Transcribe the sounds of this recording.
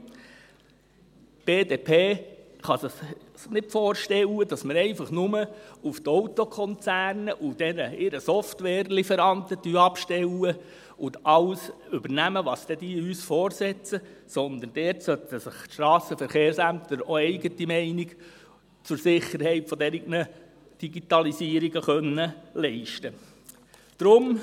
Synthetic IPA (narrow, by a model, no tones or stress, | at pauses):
b̥eːdeːpʰeː | χɑsəχnɪtfɔːɾʃtɛwədɑsmɪɾɛɪfɑχnʊməuft̪ɔwt̪ɔkʰχɔnt͡sæːɾnəʔud̥ɛnəɪɾəsɔftwɛːɾlifəɾɑntətyɑpʃtɛwə | ʊdɑlsʏbəɾnæməʋɑːsd̥̪ɛd̥̪iyːsfɔːɾsɛt͡səsɔnd̪ənd̥ɛɾtsœtəsɪχtʃtɾɑːsəfəɾχeːɾsæmt̪əɾoɛɪɡətimɛɪniɡ | t͡sʊɾsɪχːəɾhɛɪtfɔd̪ɛɾiɡnə | d̥iɡit̪ɑlisiːəɾiɡəχœnːəlɛɪʃtə | d̥ɾʊm